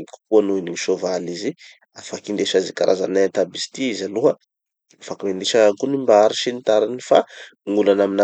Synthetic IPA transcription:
ku̥kuanuiniiʃovalizi | afakind̪eʃazikaɾʔaza̰nat̪abist̪iizaluɦə | afakamend̪iʃəkunimbaɾiʃinit̪aɾinifaŋulanamina

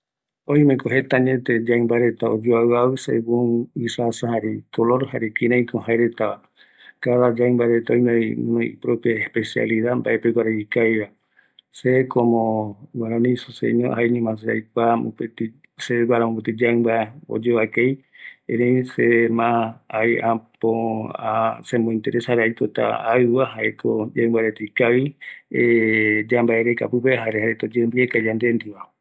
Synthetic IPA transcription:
õj̃mẽkoɦet̪aɲet̪ed͡ʒaimbaɾet̪aod͡ʒoawaβɨsḛɡuŋisasaɦaɾekoloɾhaɾekiɾãj̃kõhaeɾet̪aβa | kaðad͡ʒaĩmbaɾet̪aõjmẽõpɾopjaespesia̰liðamba̰ʔepeɡʷwaɾaikajβa | sekʰomõwaɾanĩsosḛɲõaeɲũmãs̬ea̰jk̚ʷamṵpet̪i | seɡwaɾamõpet̪id͡ʒaɨmbaeo̰d͡ʒeβakej | ẽɾesemãajʔapoasemõĩnt̪eɾesaɾaipot̪a̰aɨβaɦaekʰod͡ʒaɨmbaɾet̪ikaβied͡ʒambaeɾeka̰pɨpeɦaɾehaɾet̪od͡ʒembiekad͡ʒãnd̪end̪iβa

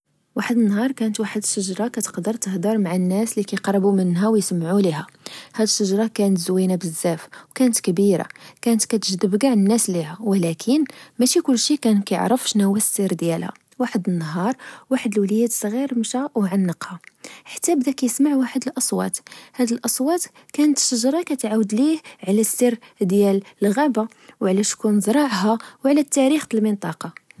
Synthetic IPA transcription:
waħəd̪ənːɦɑɾˤkænət̪waħəd̪ʃːəʒɾˤɑkæt̪ə̥qd̪əɾˤt̪əhd̪iɾˤmaʕanːæslikæjqɾˤbumənɦæwjsəmːʕuliɦæhæd̪əʃːəʒɾˤɑkænət̪zwinabəzːæfwkænət̪kəbiɾa̰kænət̪kæt̪əʒd̪əbɡaʕnənːæslihæwəlækʰənmæʃikʊlːʃikænkæjə̰ʕɾəfʃnəwæsːəɾd̪jælhæ̰ | waħəd̪ənːɦɑɾˤwaħəd̪əlwlæjæd̪sˤːɣiɾmʃæwʕanːəqhaħḁt̪ːæbd̪ækæjəsmaʕwaħəd̪əlʔɑsˤwɑ̰t̪hæd̪əlʔɑsˤwɑt̪ | kænət̪ʃəʒɾˤɑkæt̪ʕawəd̪lihʕlæsːiɾd̪jæləlɣæba | wʕlæʃkunzɾˤɑʕɦæwʕlæt̪ːæɾixt̪əlmənt̪ˤɑqɑ

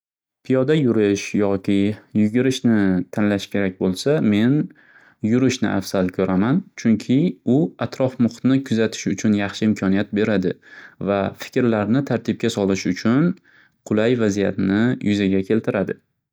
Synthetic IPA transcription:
pʰijɒd̪ajʊɾɪʃjɒkʲɪjʊɡʲɪɾɪʃnɪt̪ʰanlaʃkʲʰe̞ɾak̚ʲbolˠsame̞n | jʊɾɪʃnɪ̰ʔa̰fsalkʲʰɵɾʔamant͡ʃʰʊŋkʲʰɪʊat̪ʰɾɒfmʊχt̪nɪkʰʊzat̪ʰɪ̥ʃʊt͡ʃʰʊnjɑχʃɪɪmkʰɒnijat̪̚be̞ɾad̪ɪvafɪ̥kʲɾlaɾnɪt̪ʰaɾt̪ʰɪp̚kʲasɒlɪʃʊt͡ʃʰʊn | qʰʊlˠajvazijat̪nɪjʔʊzaɡʲakʲʰe̞lt̪ʰɪɾad̪ɪ

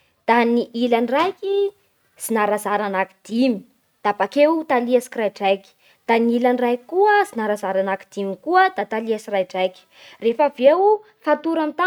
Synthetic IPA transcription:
d̪̥aniʔilanrajki | sinaɾazaɾanaki̥d̪̥imi̥ | d̪̥abakewt̪aliasi̥krajʈ͡ʂajkʲi̥ | d̪̥aniilanrajkuəzinaɾazaɾanaki̥d̪̥imikuəd̪at̪aliasirajʈ͡ʂajki̥ | refavew | fat̪uɾamit̪a

